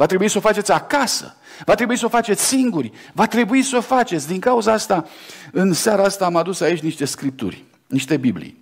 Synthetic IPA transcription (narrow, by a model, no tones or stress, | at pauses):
vat̪ɾe̞buisofat͡ʃe̞t̪sʲakasə̰ | vat̪ɾebuisofat͡ʃe̞t̪sʲsiŋɡurʲvat̪ɾe̞buisofat͡ʃe̞t̪sʲd̪iŋkauzaast̪aɨnsaɾaast̪aːmad̪usait͡ʃʲniʃt̪e̞skɾip̚t̪ṵrʲ | niʃt̪e̞biblḭj